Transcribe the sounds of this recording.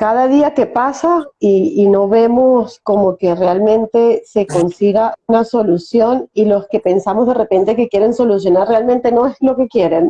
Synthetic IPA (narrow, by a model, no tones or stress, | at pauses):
kað̞aðiakepasaiːno̞βe̞mosko̞mo̞kerealmẽ̞nt̪eseko̞nsiɣaunaso̞lusjo̞nilo̞ske̞pe̞nsamozðere̞pe̞nt̪ekekje̞ɾe̞nso̞lusjo̞narrealmẽ̞nt̪e̞no̞ezlo̞ke̞kjeɾen